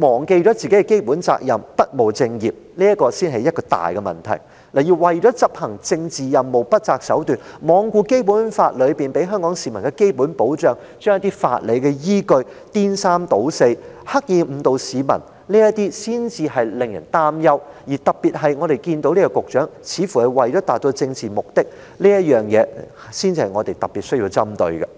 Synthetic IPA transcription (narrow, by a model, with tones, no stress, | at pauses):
mɔː˨˩ŋke˧jt͡ʃɔː˨˥t͡siː˨ke˨˥kɛ˧ke˥jpuː˨˥nt͡sa̰ː˧k̚jɐ˨mpɐ˥t̚mo˨wt͡sɪ˧ŋjiː˨˩p̚ | liː˥jɐ˥t̚kɔː˧siː˥nɦɐ˨jɐ˥t̚kɔː˧t̪a̰ː˨jkɛ˧mɐ̰˨˩nt̪ʰɐ̰˨˩j | laː˨˩ji˧wwɐ˨jt͡ʃɔː˨˥t͡sɐ˥p̚hɐ˨˩ŋt͡sɪ˧ŋt͡siː˨jɐ˨mːo˨˩wpɐ˥t̚t͡saː˧k̚sɐ˨˥wt̪yː˨nmɔː˨˧ŋkuː˧ke˥jpuː˨˥nfaː˧t̚lɵ˨˧ɥpiː˨npe˨˥jɦœː˥ŋkɔː˨˥ŋsiː˨˧mɐ˨˩nkɛ˧ke˥jpuː˨˥npo˨˥wt͡ʃœː˨˧ŋ | t͡ʃœː˥ŋjɐ˥t̪iː˥fa̰ː˧t̚le˨˧jkɛ˧jiː˥kɵ˧ɥt̪iː˥nsaː˥mt̪o˨˥wse˧jhɐ˥k̚jiː˨˧m̩˨˧t̪o˨˧wsiː˨˧mɐ̰˨˩n | liː˥jɐ˥tt̪iː˥siː˥nt͡siː˧ɦɐ˨jlɪ˨ŋjɐ̰˨˩nt̪aː˥mjɐ˥wjiː˨˩t̪ɐ˨k̚piː˨t̚ɦɐ˨jŋɔː˨˧ɾe˨jkiː˧nt̪o˧˥wliː˥kɔ˧kʊ˨k̚t͡ʃœː˨˥ŋt͡sʰiː˨˧˥fu˨˩hɐ˨jwɐ˨jt͡ʃɔː˨˥t̪aː˨t̚t̪o˧t͡sɪ˧ŋt͡siː˨mʊ˨k̚t̪ɪ˥k̚ | liː˥jɐ˥t̚jœː˨ŋjɛː˨˧ | siː˥nt͡siː˧hɐ˨jŋɔː˨˧t̪e˨jt̪ɐ˨˩pːiː˨t̚sɵ˥jiː˧wt͡sɐ˥mt̪ɵ̰˧ɥɡɐ̰˧